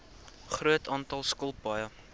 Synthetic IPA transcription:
χruətʰɑːntɐlˠskɔlˠbɐjə

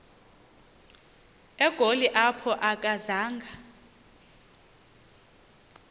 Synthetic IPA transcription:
ɛɡ̥ʱoliʔapʰɔʔak̬ʼazaːŋɡʱa

